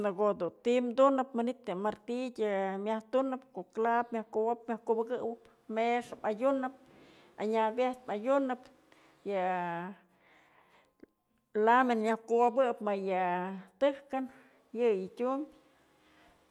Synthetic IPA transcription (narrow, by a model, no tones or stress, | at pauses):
naɡod̪unt̪imd̪unɨpmanit̪ɨmaɾt̪it̪ʲɨmjaht̪unɨpkoklapmʲjahkuwop̚mʲahkubɨkɨwɨp | meʂpajunɨp̚ | a̰ɲabjeht̪̚pajunɨp | jɨ | lamenɲahkuwabɨpmajɨt̪ɨhkan | jɨjɨtʲumbʲ